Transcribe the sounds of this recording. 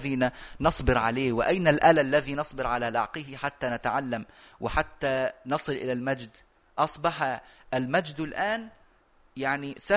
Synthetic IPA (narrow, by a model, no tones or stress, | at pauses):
ðiːnanɑsˤbɪɾʕaleːwɪʔajnalʔalalːaðiːnɑsˤbɪɾʕalalɑ̰ʕqɪhɪħat̪ːanat̪aʕalːamwɪħat̪ːaːnɑsˤɨlʔɪlalmad͡ʒd̪ | ʔɑsˤbɑħaʔalmad͡ʒd̪lʔaːn | jaʕnisa